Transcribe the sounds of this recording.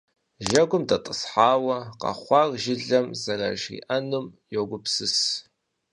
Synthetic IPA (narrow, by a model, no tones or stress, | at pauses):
ʒɐɡʷʊmdatʼɨsħaːwɐqʼɑ̰χʷɑrʒɪɮɐmzara̰ʒḭʔanɨmjoɡʷʊpʰsɨs